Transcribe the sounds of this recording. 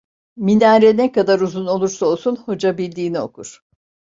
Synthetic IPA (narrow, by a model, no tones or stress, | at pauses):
minaɾɛnɛkad̪aɾuzuno̞lˠuɾsao̞lˠsunho̞d͡ʒabilʲd̪iːnio̞̰kʰuɾ̥